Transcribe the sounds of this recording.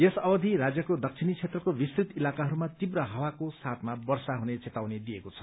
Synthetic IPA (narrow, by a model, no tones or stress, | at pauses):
esʌbʌd̪ʱiɾad͡zjʌkod̪ʌk̚t͡sʰinit͡sʰet̪rʌkobist̪ɾit̪ilakaɦʌɾumat̪ibrʌɦʌwakosat̪mabʌrsaɦunet͡set̪awned̪iekot͡sʰʌ̥